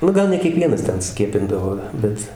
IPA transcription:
ˈnʊ ˈɡɐlˠ nʲɛ kʲiɛˈkʋʲiɛnɐs ˈtʲɛn ˈsʲkʲiɛpʲɪndɐʋoː ˈbʲɛt

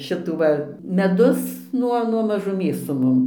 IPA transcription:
ˈʃʲɪtuː ʋɐ mʲɛˈdʊs ˈnuɔ nuɔ mɐʒʊˈmʲeːs sʊ ˈmʊm

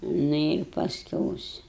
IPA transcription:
ˈnʊ ɪr pɐsʲˈkʲɛʊs

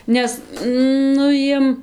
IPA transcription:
ˈnʲɛs ˈnʊ jiɛm

